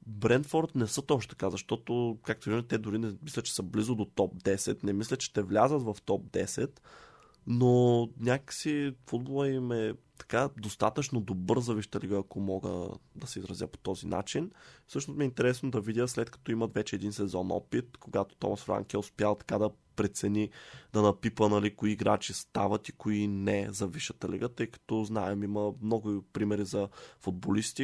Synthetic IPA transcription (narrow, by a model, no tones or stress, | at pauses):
bɾɛnd̪fɔɾt̪nɛsət̪ɔʃt̪ɛt̪ɐ̥kazɐʃt̪ɔt̪okak̚t̪ovit̪ɛd̪ʊɾinɛmislʲətt͡ʃɛ̥səblizod̪ot̪ɔp̚d̪ɛsɛt̪nɛmislʲət̪t͡ʃɛ̥t̪ɛvlʲazət̪vɐft̪ɔp̚d̪ɛsɛt̪ | nonʲakəksifud̪̚bolˠəimɛ | t̪ɐ̥kad̪ost̪at̪ət͡ʃnod̪obɤɾzɐviʃt̪əliɡəːkomɔɡə̰d̪ɐsɛizɾɐzjə̰po̥t̪ɔzinʔa̰t͡ʃinfsɤʃnost̪mʲiɛint̪ɛɾɛsnod̪ɐvidʲəslɛt̪kɐ̥t̪ɔimɐt̪vɛt͡ʃɛd̪insɛzɔnɔ̰pit̪koɡat̪o̥t̪ɔ̰mɐsfɾa̰ŋkɛʊspjalˠt̪ɐ̥kad̪ɐ | pɾɛt̪sɛnʲid̪ɐnɐpipənɐlikoiːɡɾat͡ʃist̪avɐt̪ikoinɛzɐviʃət̪ɐlḭɡət̪ɤjkɐ̥t̪ɔznaɛmiməmnɔɡʊpɾimɛɾizɐfud̪̚bolist̪i